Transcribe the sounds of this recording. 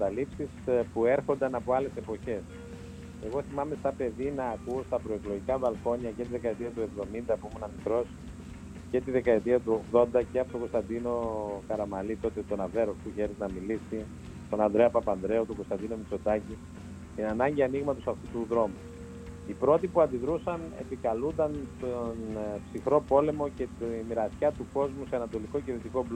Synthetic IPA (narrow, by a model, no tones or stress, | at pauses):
ɐt̪ɐlipsispue̞ɾxo̞nd̪ɐnɐpo̞ɐle̞se̞po̞çe̞s | e̞ɣo̞θimɐme̞st̪ɐpe̞ðinɐːkuost̪ɐpɾo̞ekloʝikɐvɐlko̞ɲɐcet̪iðe̞kɐet̪iɐt̪ue̞vðo̞mind̪ɐpuimunɐmikɾo̞si̥ | ce̞t̪iðe̞kɐe̞t̪iɐt̪uo̞ɣðo̞nd̪ɐceɐpot̪o̞ɡo̞st̪ɐnd̪ino̞kɐɾɐmɐlit̪o̞t̪e̞t̪o̞nɐve̞ɾosp̪uçe̞ɾiznɐmilisi | t̪o̞nɐnd̪ɾeɐpɐpɐnd̪ɾe̞ot̪oɡo̞st̪ɐnd̪ino̞mit͡so̞t̪ɐci | t̪inɐnɐɲɟiɐniɣmɐt̪o̞sɐft̪ut̪uðɾo̞mu | ipɾo̞t̪ipuɐnd̪iðɾusɐne̞̰pikɐlund̪ɐnst̪onpsixɾo̞po̞le̞mo̞ce̞t̪imiɾɐsçɐt̪uko̞zmuseɐnɐt̪o̞liko̞ceɾit̪iko̞b